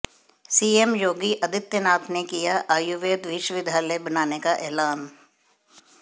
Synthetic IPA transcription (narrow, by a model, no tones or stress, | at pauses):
siːemjoːɡiʔɐd̪ʱɪt̪jənaːt̪nekijaʔaːjuʋeːd̪ʋɪʃʋɪd̪ʱaːləbɐnaːnekaʔɛːlaːn